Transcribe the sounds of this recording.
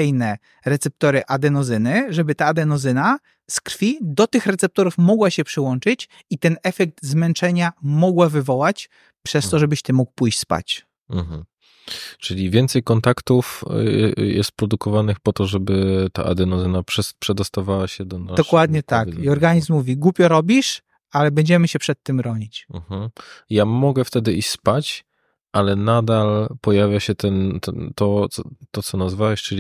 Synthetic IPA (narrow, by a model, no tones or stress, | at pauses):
ɛjnɛ | ɾɛt̪sɛp̚t̪ɔɾɘʔad̪ɛnɔzɘnɘʐɛbɘt̪aːd̪ɛnɔzɘna | skɾfʲid̪ɔt̪ɘxɾɛt̪sɛp̚t̪ɔɾufmɔɡwaɕɛpʂɘwɔnt͡ʂɘt͡ɕ | it̪ɛnɛfɛk̚t̪zmɛnt͡ʂɛɲamɔɡwavɘvɔwat͡ɕ | pʂɛst̪ɔʐɛbɘɕt̪ɘmːukpujɕt͡ɕʲspa̰t͡ɕ | m̩mm̩ | t͡ʂɘlʲivʲjɛnt̪sɛjkɔnt̪akt̪uf | jɛ̰st̪̚pɾɔd̪ukɔvanɘxpɔt̪ɔʐɛbɘt̪a̰ʔa̰d̪ɛnɔzɛnapʂɛpʂɛd̪ɔst̪avawaɕɛd̪ɔnad̪ɔkwad̪ɲɛt̪akiɔɾɡaɲiszmːuvʲiɡwupʲɛɾɔbʲiʂ | alɛbɛɲd͡ʑɛmɘɕɛpʂɛt̪ːɘmɾɔɲit͡ɕm̩mm̩jamɔɡɛft̪ɛd̪ɘiɕspat͡ɕ | ʔalɛnad̪alpɔjavʲjaɕɛt̪ɛnt̪ɛnt̪ɔt̪ɔt̪ɔt̪sɔnazvawɛɕt͡ʂɘlʲi